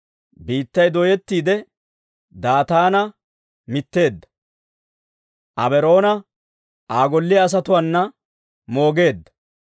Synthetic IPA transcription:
biːt̪ːɐjd̪ɔjɛt̪ːiːd̪ɛ | d̪aːt̪aːnɐ | mɪt̪ːe̞ːd̪ːɐ̥ | ʔɐbɛɾo̞ːnɐ | aːɡɔlːɪɐːs̬ɐt̪ʊwɐnːɐ | mo̞ːɡe̞ːd̪ːɐ̥

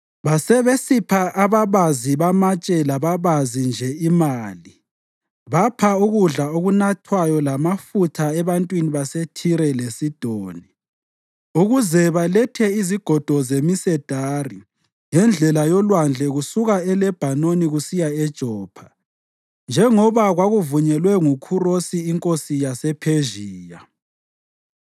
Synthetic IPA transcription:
βasɛβesipʰaʔaβaβaziβamat͡ʃʼɛlaβaβazind͡ʒʱɛimaːli | βapʰauɣuɮaoɣunatʰwajɔlamafutʰaɛβantʼwiniβasetʰiɾɛlesid̥ʱoːni | uɣuzɛβalɛtʰɛiziɡ̥ʱɔd̥ʱɔzemisɛd̥ʱaːri | ŋɛnd͡ɮʱɛlajɔlwand͡ɮʱɛɣusuɣaɛlɛb̥ʱanoniɣusijaɛd̥ʒ̥ʱɔːpʰḁ | nd͡ʒʱɛŋɔβaɣwaɣuvuɲɛlwɛŋukʰurosiːŋkʼosijasɛpʰeʒiːja

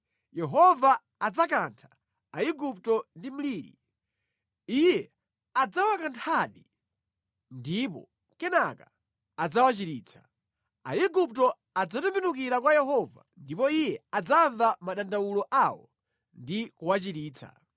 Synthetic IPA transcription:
jɛɦɔvaː | d͡zakantʰḁ | aiɡup̚tɔndim̩liːɾḭ | ijɛ | ad͡zawakantʰaɗi | ndip̬ɔ̰ | kɛnaka | ad͡zawat͡ʃiɾiːt͡sʰḁ | a̰iɡup̚tɔ | ad͡zatumbinukiɾakwajɛɦɔva̰ndipɔijɛad͡zaɱvamaɗandawulɔʔawɔ̰ | ndikuwat͡ʃiɾiːt͡sʰa̰

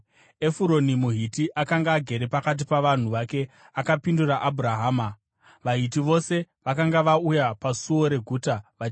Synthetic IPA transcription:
e̞fuɾo̞nimuɦitiʔakaŋɡaːɡʱe̞ɾe̞pakat̬ipaʋan̤uʋake̞ | akapinduraʔabʱuraɦaːma | ʋaɦitiʋo̞se̞ | ʋakaŋɡaʋaujapasuo̞ɾe̞ɡʱuːtaʋat͡ʃ

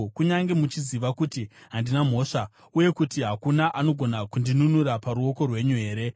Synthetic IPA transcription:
kuɲaŋɡe̞mut͡ʃiziʋakutiɦandinam̤o̞ːʂa | uje̞kutiɦakunaʔano̞ɡʱo̞nakundinunuɾapaɾuo̞ko̞rwe̞ɲuɦe̞ːɾe̞

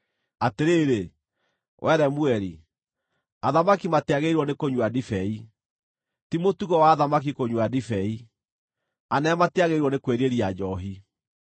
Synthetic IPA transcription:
ateɾeːɾe | wʔɛɾɛmuɛɾi | aðamakimateaɣeiɾwɔnekoɲwadifɛi | timotuɣɔwaːðamak̬ikoɲwadifɛi | anɛmateaɣeiɾwɔnekweɾeɾiad͡ʑɔɦi

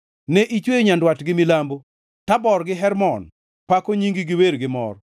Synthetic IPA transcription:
nɛʔit͡ʃweɲandwatɡɪmilambo | tabɔɾɡɪɦɛɾmɔn | pakoɲiŋɡiɡɪweɾɡɪmɔ̰r

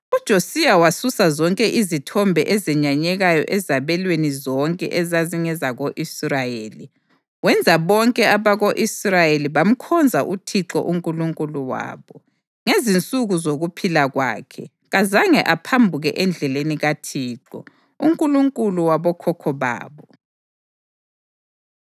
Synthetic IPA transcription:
ud̥ʒ̥ʱosijawasusazɔŋkʼɛʔizitʰɔmbʱɛʔɛzɛɲaɲɛɣajɔ̰ʔɛzaβɛlwenizɔŋkʼɛ̰ʔɛzaziŋɛzaɣoʔisrajeːli | wɛnd͡zʱaβɔŋkʼɛaβaɣoʔisrajeliβam̩kʰɔnd͡zʱaʔutʰiǁɔ̰ʔuŋkʼuluŋkʼuluwa̰ːβɔ | ŋezint͡sʼuɣuzoɣupʰilaɣwa̰ːkʰɛ̰ | ɣazaŋɛʔapʰambʱuɣɛ̰ʔɛnd͡ɮʱɛleniɣatʰiːǁɔ̰ | uŋkʼuluŋkʼuluwaβɔkʰɔkʰɔβa̰ːβɔ

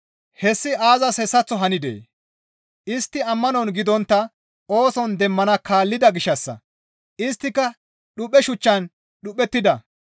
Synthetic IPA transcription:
hɛsːɪaːzɐshɛsːɐt͡sːɔɦɐnɪd̪ḛː | ʔɪst̪ːɪɐmːɐnɔnɡɪd̪ɔnt̪ːɐ | o̞ːsɔnd̪ɛmːɐnɐkaːlːɪd̪ɐɡɪʃːɐsːɐ̰ | ʔɪst̪ːɪkːɐ | ɗʊpːɛʃʊt͡ʃːɐn | ɗʊpːɛt̪ːɪd̪ɐ

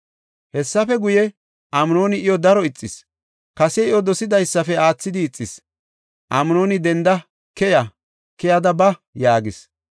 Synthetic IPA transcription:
hɛsːɐfɛɡʊjɛ | ʔɐmno̞ːnɪʔɪjɔd̪ɐɾɔɪt͡sʼːɪs | kɐsɛɪjɔd̪ɔsɪd̪ɐjsːɐfɛaːt͡sːɪd̪ɪːt͡sʼːɪs | ʔɐmno̞ːnɪd̪ɛnd̪ɐ | kɛjɐ | kɛjɐd̪ɐbɐjaːɡɪs

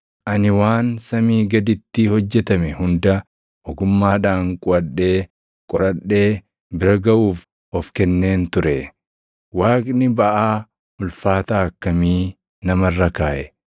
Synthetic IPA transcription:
ʔɐnɪwaːnsɐmiːɡɐd̪ɪt̪ːɪhɔd͡ʒːɛt̪ɐmɛhʊnd̪ɐ | ʔɔɡʊmːaːᶑaːŋkʼʊɐɗːe̞ː | kʼɔɾɐɗːe̞ː | bɪɾɐɡɐʔuːf | ʔɔfkɛnːe̞ːnt̪ʊɾɛ | waːkʼnɪbɐʔaː | ʊlfaːt̪aːɐkːɐmiː | nɐmɐrːɐkaːʔɛ

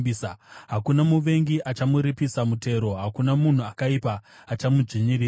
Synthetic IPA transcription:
iːsaɦakunamuʋe̞ŋɡiʔat͡ʃamuɾipisamute̞ːɾo̞ɦakunamun̤uakaipaː | t͡ʃamud͡ʐiɲiriː

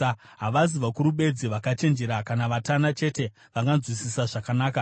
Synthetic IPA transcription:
ɦaʋaziʋakuɾuɓe̞d͡ziʋakat͡ʃe̞nd͡ʒe̞ɾakanaʋatanat͡ʃe̞te̞ | ʋaŋɡanzwisisaʐakanaːka

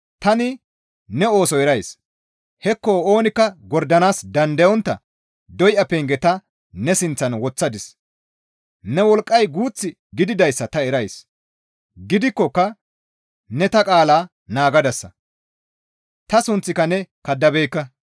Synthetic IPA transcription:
t̪ɐnɪ | nɛo̞ːsɔɛɾɐjs | hɛkːoːo̞ːnɪkːɐɡɔɾd̪ɐnaːsd̪ɐnd̪ɐjɔnt̪ːɐ̰ | d̪ɔjʔɐpeːŋɡɛt̪ɐ | nɛsɪnt͡sːɐnwɔt͡sːɐd̪ɪs | nɛwɔlkʼːɐjɡuːt͡sːɪ | ɡɪd̪ɪd̪ɐjsːɐt̪ɐɛɾɐjs | ɡɪd̪ɪkːɔkːɐ | nɛt̪ɐkʼaːlaː | naːɡɐd̪ɐsːɐ̰ | t̪ɐsʊnt͡sːɪkɐnɛkɐd̪ːɐbejkːɐ

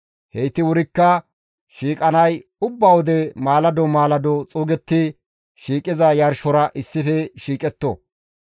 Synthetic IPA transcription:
hɛjt̪ɪwʊɾɪkːɐ | ʃiːkʼɐnɐjʊbːɐwɔd̪ɛmaːlɐd̪ɔmaːlɐd̪ɔt͡sʼuːɡɛt̪ːɪ | ʃiːkʼɪzɐjɐɾʃɔɾɐʔɪsːɪfɛʃiːkʼɛt̪ːo̰

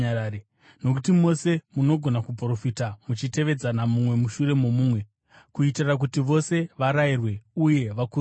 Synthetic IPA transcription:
ae | no̞k̬utimo̞se̞muno̞ɡʱo̞nakup̬ro̞fitamut͡ʃite̞ʋe̞d͡zanamumwe̞muʃuɾe̞mo̞muːmwe̞ | kuitirak̬utiʋo̞se̞ʋaɾairwe̞uje̞ʋaku

